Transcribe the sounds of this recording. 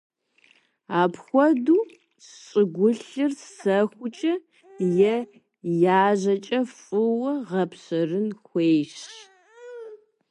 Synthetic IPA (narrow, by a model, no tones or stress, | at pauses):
aːpxʷɔduː | ɕʼɪɡʷʊɬɨrsɐxʷʊt͡ʃʼɐ | jɛ | jaːʑɐt͡ʃʼɐfʼɨwɐʁɐpɕɐrɨnxʷeːjɕ